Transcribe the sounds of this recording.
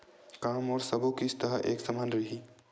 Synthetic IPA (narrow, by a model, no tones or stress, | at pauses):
kaːmɔːɾsəbokist̪ɐɦaʔḛːksəmaːnɾəɦi